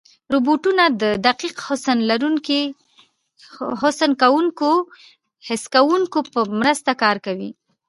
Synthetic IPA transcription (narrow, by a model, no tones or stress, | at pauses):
ɾuboʈunad̪əd̪aqiqhʊsənlaɾuŋki | hʊsənkawuŋko | hɪskawuŋkopəmɾəst̪akɑɾkawḭ